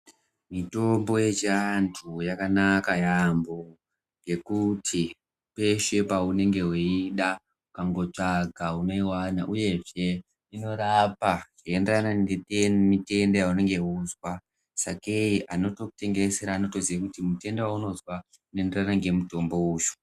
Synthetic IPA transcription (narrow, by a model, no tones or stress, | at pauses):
mito̞mbo̞je̞t͡ʃiantʰujakanakajambo | ŋɡe̞kutʰi | pe̞ʃe̞paune̞ŋɡe̞ɦweiɗa | mukaŋɡo̞t͡ʂaɡʱauno̞iwana̰ʔuje̞ʐe̞ | ino̞ɾapaʐ̥ienderanaemite̞ndojaune̞ŋɡe̞uzwa | sakeiʔano̞to̞ku̥te̞ŋɡeseɾaːno̞to̞ziakutimute̞ndewauno̞zwa | unenderanaŋɡe̞muto̞mbo̞uːju̥